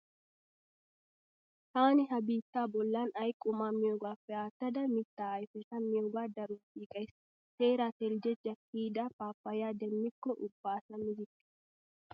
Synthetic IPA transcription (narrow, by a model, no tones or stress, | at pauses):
t̪aːnɪɦɐbiːt̪ːaːbɔlːaːnɐjkʼːʊmaːmɪjoːɡaːfːɛaːt̪ːɐd̪ɐmɪt̪ːaːɐjfɪtɐmɪjoɡaːd̪ɐɾuːfiːkʼɐjs | seːɾat̪ɛld͡ʒɛd͡ʒːɐkiːd̪ɐfaːpːɐjaːd̪ɛmːɪkːɔʔʊbːaːsɐmɪd͡ʒɪkːɪ̥